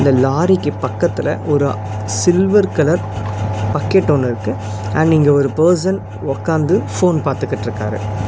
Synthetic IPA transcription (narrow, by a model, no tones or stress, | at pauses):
ɪnd̪ɐlaːɾɪkːɯpɐkːɐt̪ːɪlɐ̰ʔɔɾɯ | sɪlʋɐɾkɐlɐɾpɐkːeʈːonːɯɪɾɯkːɯ | ɐɳɖniːŋɡɐɔɾɯpɐːs̬ɐn | ɔkːaːnd̪ɯfoːnpaːɾt̪ɯkːɐʈːɪɾɯkːa̰ːɾɯ̰